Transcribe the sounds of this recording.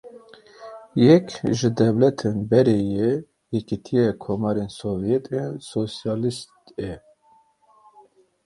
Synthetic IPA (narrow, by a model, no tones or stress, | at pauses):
jɛkʲʒɪd̪ɛvlɛt̪ʰenbɛɾeːje | jɛkit̪ʰijɛkʰomɑɾensovjɛt̪ʰensosijɑːlist̪ɛ